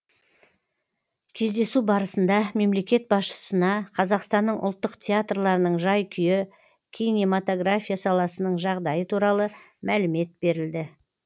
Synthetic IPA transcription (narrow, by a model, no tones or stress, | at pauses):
kʲʰe̞zd̪e̞subɑɾəsənd̪ɑme̞mle̞kʲe̞t̪̚bɑsʃə̥sənɑqʰɑzɑqst̪ɑnːəɴʔʊ̰lˠt̪ːəqt̪ʲʰeat̪rlˠɑɾənəɴʒɑjkʲʰʏjɪ | kʲʰijnemat̪o̞ɡɾafʲijasɑlˠɑsənəɴʒɑʁd̪ɑjət̪ʰuɾɑlˠə | mʔælɪme̞t̪̚be̞ɾɪld̪ɪ